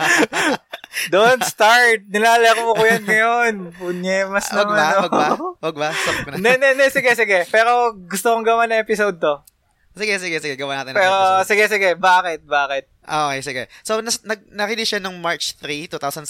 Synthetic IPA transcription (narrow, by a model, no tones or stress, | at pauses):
d̪oontst̪aɹt̪̚nɪlaːlɐɐkoɐkʊjɐnŋɐjonunɛmɐsnwɐmɡaaowɐɡbawɐɡ̚baɐknɐnɛnɛnɛsɪɡɛsɪɡɛpɛːɾo̞ɡʊst̪okoŋɡɐwanɐŋɛpɪsowd̪̚t̪o | sɪɡɛsɪɡɛsɪɡɛɡɐwaːnaːt̪ɪnpɛːɾosɪɡɛsɪɡɛbaːkɪt̪̚baːkɪt̪̚ʔoːkɛjsɪɡɛsonɐnɐɡ̚nɐkid̪iʃanoŋmaɹt͡ʃt̪ɾit̪uːt̪awsɐn